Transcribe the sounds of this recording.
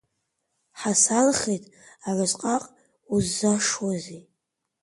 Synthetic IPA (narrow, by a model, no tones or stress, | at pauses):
ħasanχejtʼ | aʕʷazqʼaqʼ | uzːaʂwazi